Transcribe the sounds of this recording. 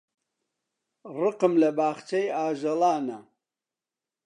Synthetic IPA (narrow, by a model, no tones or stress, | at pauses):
rɨqɨmlɐbaːχt͡ʃʰejaːʒɐlaːnɐ